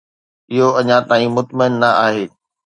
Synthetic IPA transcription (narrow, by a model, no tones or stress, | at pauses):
ɪɦoɐɲãt̪aːĩmʊt̪məɪnːɐaːɦeː